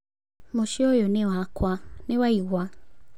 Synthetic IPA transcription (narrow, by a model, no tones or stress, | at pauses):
moʃiojonẽwakwanẽwaiɣʷa